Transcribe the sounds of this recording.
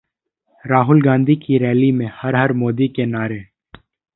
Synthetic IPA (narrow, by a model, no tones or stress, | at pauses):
ɾaːɦʊlɡãːnd̪ʱikiɾɛːlimẽhɐɾɦɐɾmoːd̪ikenaːɾe